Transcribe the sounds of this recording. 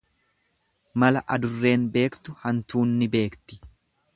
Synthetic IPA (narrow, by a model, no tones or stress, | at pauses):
mɐlɐʔɐd̪ʊrːe̞ːnbe̞ːkt̪ʊhɐnt̪uːnːɪbe̞ːkt̪ɪ̥